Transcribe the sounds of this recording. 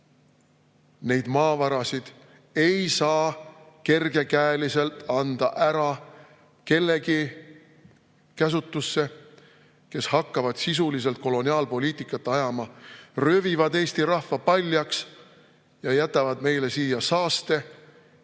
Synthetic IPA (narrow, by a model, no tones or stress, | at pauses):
ne̞jd̪̥mɑːvɑɾɑsid̪̥ | e̞jsɑːke̞rɡ̥e̞kæelise̞lt̪ˑɑnd̪̥ɑʔæɾɑ | ke̞lːe̞ɡi | kæs̬ut̪ːˑusːe̞ | ke̞shɑkːɑvɑd̪̥sis̬ulis̬e̞lt̪̚ko̞lo̞nʲiɑːlpo̞lʲiːt̪ikˑːɑt̪ːˑɑjɑmɑrøvivɑd̪e̞ːst̪iɾɑhvɑpɑlʲːjɑks | jɑjæt̪ːˑɑvɑd̪̥me̞jle̞siːjɑsɑːst̪e̞